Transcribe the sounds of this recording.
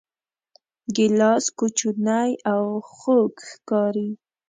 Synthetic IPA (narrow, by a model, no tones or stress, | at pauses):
ɡɪlɑskʊt͡ʃunajawxokxkɑɾi